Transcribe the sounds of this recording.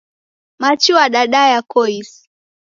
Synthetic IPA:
mat͡ʃuwaɗaɗajakɔis

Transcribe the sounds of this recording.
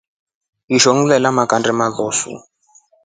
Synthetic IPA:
iʃoŋ̩lɛlamakʼandɛmalɔːsṵ

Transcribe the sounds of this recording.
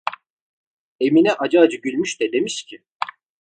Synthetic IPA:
eminɛʔad͡ʒaːd͡ʒɯɟylʲmyʃt̪ɛd̪e̞miʃcʰɪ

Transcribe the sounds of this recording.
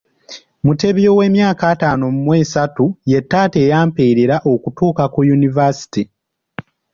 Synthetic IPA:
mute̞βjo̞we̞ːmjaːkaːtaːnomumwe̞ːsatuje̞tːaːte̞ːjaːmpeːɾeɾaʔo̞kutuːkakujunivasi̥ti

